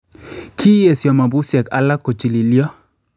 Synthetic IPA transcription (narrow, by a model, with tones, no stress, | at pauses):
kʰi˦je˨sjɔ˨ma˨bu˦sjɛ˨ka̰˦la˦ko˨t͡ʃi˨li˨li˦ɔ˦